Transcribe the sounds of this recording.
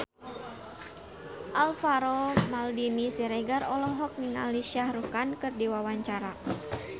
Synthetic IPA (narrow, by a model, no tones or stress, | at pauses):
ʔalfaɾɔmaldinisiɾɛɡarɔlɔɦɔk̚niŋa̰liʃiahrukankɨrdiwawaɲt͡ʃaɾa